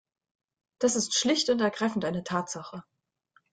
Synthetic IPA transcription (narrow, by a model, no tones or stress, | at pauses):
d̥asɪstʃlɪçtʊntɛɐɡʁaɪfn̩tʔaɪnətʰaːtz̥aχə